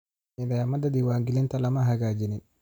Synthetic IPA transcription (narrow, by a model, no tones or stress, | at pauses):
ɪnajamad̪ad̪iwaːŋɡilint̪alamaɦaɡaːd͡ʒinɪn